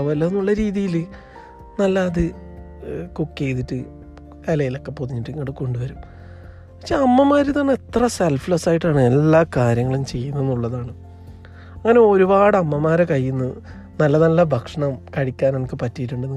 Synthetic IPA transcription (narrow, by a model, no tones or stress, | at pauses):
ʋɐlːɐenːuɭːɐɾiːðijil | nɐlːɐːðɨ | kukːejðiʈːɨ | ɐlɐjilo̞kːe̞poðiɲːiʈːɨŋːɐɽɨko̞ɳɖuʋɐɾum | ɐ̥kʂeɐmːɐmaːɾit̪ɐnːet̪rɐselflɐsaːjiʈːaːɳɨe̞lːaːkaːɾjɐŋːɐɭumt͡ɕe̞jːunːenːuɭːɐðaːɳɨ | ɐŋːɐne̞o̞ɾubaːɽɐmːɐmaːɾekɐjːunːɨ | nɐlːɐnɐlːɐbʱɐkʂɐɳɐmkɐɻikʲːaːnenɐkʲːɨpɐtːijiʈ̬ːuɳɖen